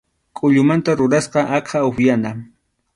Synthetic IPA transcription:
kʼʊʎʊmant̪aɾʊɾasqɑʔɑqʰɑʊxjana

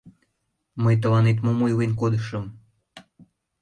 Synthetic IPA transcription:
məjt̪̬əlɑnet̪̬momojwenkod̪əʃə̆m

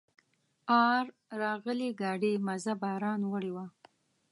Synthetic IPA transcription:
ɑɾ | ɾɑɣəleɡɑɖemazabɑɾɑnwəɽewa

